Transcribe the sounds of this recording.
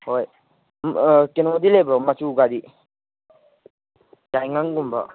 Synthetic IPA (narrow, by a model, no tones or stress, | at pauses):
hoj | mkenɔd̪ilebɾɔmat͡ʃʰuɡad̪i | d͡ʒajŋaŋɡumba